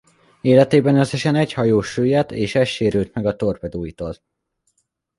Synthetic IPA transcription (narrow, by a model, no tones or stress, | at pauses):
eːlɛt̪eːbɛnøseʃɛnɛchɒjoːʃøːjɛt̪eːʃɛʃeːɾylt̪mɛɡɒt̪orpɛd̪uːjit̪oːl